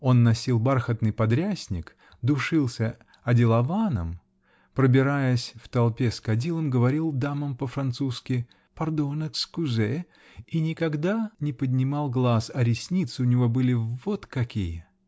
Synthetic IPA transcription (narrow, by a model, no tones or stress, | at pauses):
o̞nːɐsʲilˠbarxət̪nɨjpɐd̪ɾʲæsʲnʲɪk | d̪ʊʂɨlˠsʲə | ɐdʲɪlˠɐvanə̰m | pɾəbʲɪɾajəsʲft̪ɐlˠpʲeskɐdʲilˠəmɡəvɐɾʲilˠd̪aməmpəfɾɐnt̪suskʲɪ | pɐrd̪onəkskʊzɛ | inʲɪkɐɡd̪anʲɪpəd̪ʲnʲɪmɑlˠɡlˠasɐɾʲɪsʲnʲit̪sɨʊnʲɪvo̞bɨlʲɪvo̞t̪kɐkʲijə